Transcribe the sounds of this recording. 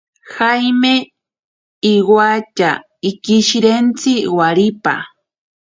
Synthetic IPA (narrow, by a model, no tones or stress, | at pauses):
xajmeː | wat͡ʃa̰ | ikiʃɾent͡sɪwaɾipa̰